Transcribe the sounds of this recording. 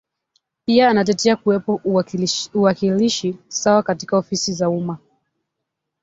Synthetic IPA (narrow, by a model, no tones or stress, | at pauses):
piaːnat̬ɛtɛakuwɛpɔ | uwakiliʃisawakatikaɔfisizauma